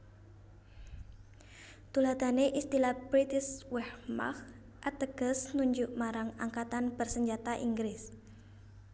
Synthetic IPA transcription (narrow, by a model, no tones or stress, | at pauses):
t̪ulad̪a̤neʔist̪ilahb̥ɾit̪ɪswɛhma̰x | ʔat̪əɡ̥əsnuɲd͡ʒʊʔmaɾaŋaŋkat̪anbərsəɲd͡ʒat̪aʔḭŋɡɾɪs